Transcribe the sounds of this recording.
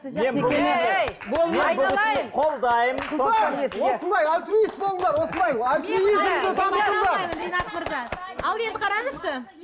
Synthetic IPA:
me̞nblˠ | bolˠmebʊlɪɪd̪ɪɴqʰo̞lˠd̪ɑjəmoesosənd̪ɑjalʲt̪ɾuist̪̚bolˠənd̪ɑɾwo̞sənd̪ɑjalt̪ɾuizmd̪ɪt̪ʰɑmət̪əɴd̪ɑd̪enɑt̪məɾzɑ | ɑlˠe̞nd̪ɪqʰɑɾɑnəsʃə

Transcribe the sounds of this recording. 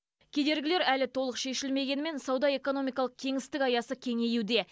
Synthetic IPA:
kʲʰe̞d̪e̞ɾɡʲɪleɾælɪt̪ʰo̞lˠəqʃe̞ʃɪlme̞ɡʲe̞nme̞nsɑwd̪ɑe̞ko̞no̞mijkɑlˠəq̚kʲʰe̞ŋɪst̪ɪkɑjɑsəkʲʰe̞ŋe̞juwd̪e̞

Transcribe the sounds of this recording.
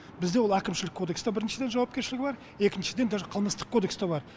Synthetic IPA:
bɪzd̪eo̞lˠækʲɪmʃɪlɪkʰːo̞d̪e̞kst̪ɑbɪɾɪnʃɪd̪e̞nʒɑwɑp̚kʲeɾʃɪlɪɡʲɪbɑɾ | e̞kʲɪnʃɪd̪e̞nd̪ɑqʰəlˠməst̪ə̥qkʰːod̪e̞kst̪ɑbɑɾ

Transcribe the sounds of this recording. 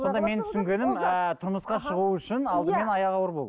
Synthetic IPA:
so̞nd̪ɑme̞nt̪ʰʏ̥sɪŋɡʲe̞nɪmət̪ʰʊɾməsqɑʃəʁuəʏʃɪnɑlˠd̪əme̞nɑjɑʁɑwəɾbolˠd̪

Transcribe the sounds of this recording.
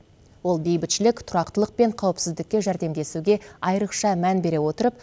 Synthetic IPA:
wo̞lˠbe̞jbɪt̪ʃɪlɪkt̪ʰʊɾɑqt̪əlˠəq̚pe̞ɴqʰɑwəpsɪzd̪ɪkʲːe̞ʒæɾd̪e̞md̪e̞suɡʲe̞ɑjɾəqʃɑmænbe̞ɾe̞wo̞t̪əɾəp

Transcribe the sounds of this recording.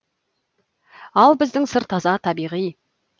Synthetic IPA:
ɑlˠbɪzd̪ɪŋsəɾt̪ʰɑzɑt̪ʰɑbijʁij

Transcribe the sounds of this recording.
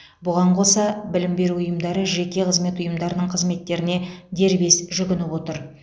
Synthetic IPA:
bʊʁɑɴqʰo̞sɑbɪlɪmbe̞ɾuʊjəmd̪ɑɾəʒe̞kʲe̞qʰəzme̞t̪ʊjəmd̪ɑɾənəɴqʰəzme̞t̪ːe̞ɾɪne̞d̪e̞ɾbe̞sʒʏɡʲɪnɪpwo̞t̪əɾ

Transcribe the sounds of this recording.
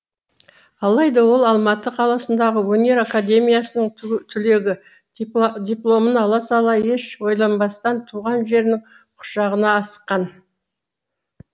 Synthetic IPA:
ɑlˠɑjd̪ɑwo̞lˠɑlˠmɑt̪əqʰɑlˠɑsənd̪ɑʁəwɵne̞ɾakad̪ʲe̞mʲijasənəɴt̪ʰʏle̞ɡʲɪ | d̪ʲijplˠo̞mənɑlˠɑsɑlˠɑje̞ʃwo̞jlˠɑnbɑst̪ɑnt̪ʰuʁɑnʒe̞ɾnɪŋ | qʰʊ̥ʃɑʁənɑːsə̥qːɑn

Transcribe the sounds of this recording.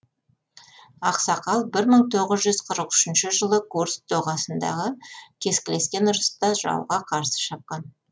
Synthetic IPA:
ɑqsɑqɑlˠbɪɾməɴt̪ʰo̞ʁəzʒʏz̥qʰəɾəqʏ̥ʃɪnʃɪʒəlˠəɡʰuɾsd̪oʁɑsənd̪ɑ̰ʁəkʲʰe̞skʲɪle̞skʲe̞nʊɾəst̪ɑʒɑ̰wʁɑqʰɑɾsə̥ʃɑp̚qɑn

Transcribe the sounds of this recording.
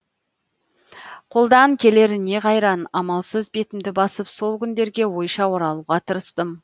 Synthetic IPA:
qʰo̞lˠd̪ɑɴkʲʰe̞le̞ɾɪne̞qʰɑjɾɑnɑmɑlˠsəzbe̞t̪ɪmd̪ɪbɑsəpso̞lˠkʲʰʏnd̪e̞ɾɡʲe̞wo̞jʃɑwo̞ɾɑlˠuʁɑt̪ʰəɾəst̪əm

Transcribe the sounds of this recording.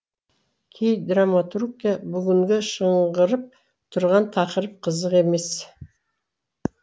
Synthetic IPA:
kʲʰejd̪ramat̪urkʲijabʏɡʲɪŋɡʲeʃəɴʁəɾəp̚ | t̪ʰʊɾʁɑnt̪ʰɑqəɾəp̚qʰəzəqe̞me̞s

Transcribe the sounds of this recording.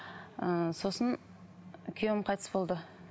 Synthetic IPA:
əso̞sən | kʲʰewɪmqʰɑjt̪əsbo̞lˠd̪ə

